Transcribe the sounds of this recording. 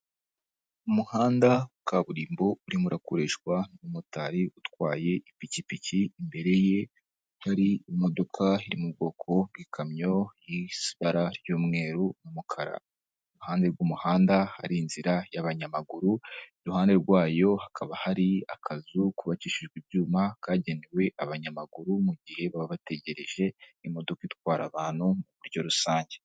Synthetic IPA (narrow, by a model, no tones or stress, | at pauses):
umuhaːndaukaβuɾiːmbo̞uɾimuɾakoɾeʃɡwanumutaɾiʔutwaːje̞ʔipicipiciːmbe̞ɾe̞je̞ | haɾiimo̞do̞kʰaiɾimub̚ɡo̞ːkʰo̞bɡikʰamɲo̞jisi̥βaɾaɾjuːmŋe̞ːɾumumukʰaɾa̰ | ɾuhaːnde̞ɾɡuːmuhaːndaha̰ɾinziɾajaβaɲamaɡuɾuɾuhaːnde̞ɾɡwaːjo̞hakʰaβahaɾiakʰazukuβaciːʃiʒɡwiβɟuːmakʰaːɟe̞newe̞ʔaβaɲamaɡuɾumuɟihe̞βaβaβate̞ɟe̞ɾe̞ʒe̞imo̞do̞kait̚waːɾaβaːn̥humuβuɾɟo̞ɾusaːɲɟe